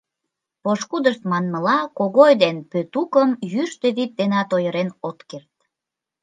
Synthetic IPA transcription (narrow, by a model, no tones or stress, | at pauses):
poʃkud̪əʃt̪mɑnməlɑkoɣojd̪enpøt̪ukəmjyʃt̪ø̆βit̪̚d̪enɑt̪ojəɾenot̪kert̪̚